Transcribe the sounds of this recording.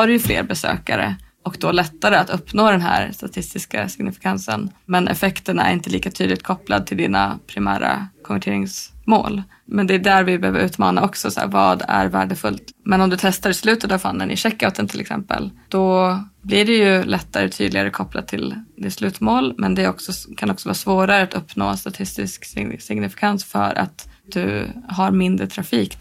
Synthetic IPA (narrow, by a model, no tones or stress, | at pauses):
aɾɛjɵflḛːɾbɛsø̰ːkaɾə̰ʔɔkd̪ɔlɛt̪ːaɾəat̪ɵpːnoːd̪ɛnɦæ̰ːɾst̪at̪ʰɪst̪ɪskasɪɡnɪfɪ̥kʰansənmɛnʔɛfɛkt̪əɳaæ̰ɾɪnt̪əliːkat̪ʰyːd̪ɪt̪̚kʰɔplad̪̚t̪ʰɪld̪iːnapʰɾɪmæ̰ːɾa̰kʰɔnvæʈʰeːɾɪŋsmoːl | mɛnd̪ɛːd̪æːɾvɪbɛhøːvəɾʔʉ̟ːt̪mɑːnaʔɔksɔsa̰vɑːd̪æɾvæːɖəfɵlt̪mɛnɔmd̪ɵt̪ʰɛst̪aɾɪslʉ̟ːt̪ət̪avfanːənʔɪ̰ʂɛkːaʊt̪ənt̪ʰɪlɛksɛ̰mpə̰ld̪̥ɔblɪɖɛjɵlɛt̪ːaɾt̪ʰy̰ːd̪lɪɡaɾəkʰɔpla̰t̪ʰɪld̪ɪt̪slʉ̟ːt̪moːlmɛnd̪ɛɔksɔkʰanɔksɔvɑːsvoːɾaɾəat̪ɵpːno̰ːst̪at̪ʰɪst̪ɪskssɪɡnɪfɪ̥kʰansfœ̰ɾʔa̰t̪d̪̥ɵɦaɾmɪnd̪ɾət̪ʰɾafiːk